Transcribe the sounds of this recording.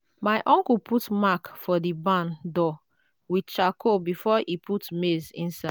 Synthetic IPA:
maɪʔɔ̃ŋkupʰutmakfɔdibãndɔ | wit͡ʃakʰobifɔʔiputmezḭ̃nsa

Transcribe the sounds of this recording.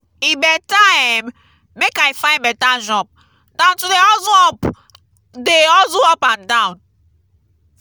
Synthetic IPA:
ibɛtam | mekaifajmbɛtaʒɔp̚ | dãntudeɔzɔp | deɔzuɔpãndãwn

